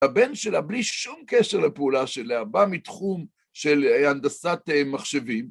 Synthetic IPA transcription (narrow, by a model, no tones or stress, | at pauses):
abe̞nʃe̞labliʃumkeʃeʁlepeulaʃeleabamit̪χum | ʃeland̪asat̪emaχʃe̞vim